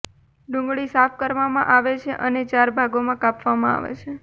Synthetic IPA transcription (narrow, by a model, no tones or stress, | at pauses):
ɖũŋɡɭisapʰkəɾʋamã̰ʔaʋet͡ʃʰeʔənet͡ʃaɾbʱaɡomãkapʋamãa̰ʋḛt͡ʃʰe